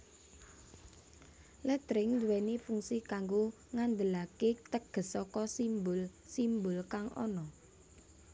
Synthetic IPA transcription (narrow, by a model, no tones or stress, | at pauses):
lət̪ɾɪŋd̪uwɛnifuŋsikaŋɡo | ŋand̪əlaket̪əɡ̥ə̤sɔkɔsimbʊlsimbʊlkaŋɔ̰nɔ